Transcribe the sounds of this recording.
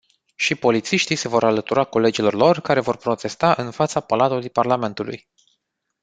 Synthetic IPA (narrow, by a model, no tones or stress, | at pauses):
ʃipo̞lit̪siʃt̪ijse̞vo̞ɾalət̪uɾako̞le̞d͡ʒilo̞rlo̞rkaɾe̞vo̞rpɾo̞t̪e̞st̪aʔɨnfat̪sapalat̪ulujparlame̞nt̪ulṵj